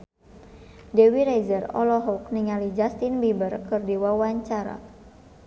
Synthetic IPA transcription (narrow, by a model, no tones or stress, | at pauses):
dɛwiɾazərɔ̰lɔɦɔkniŋalid͡ʒast̪inbibərkɨrdiwawaɲt͡ʃaɾa̰